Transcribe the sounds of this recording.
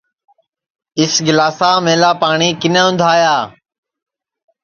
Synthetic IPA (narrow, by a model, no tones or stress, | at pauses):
ɪsɡɪlaːsaːmẽːlaːpaːɳiːkɪnẽːʊ̃nd̪ʱaːjaː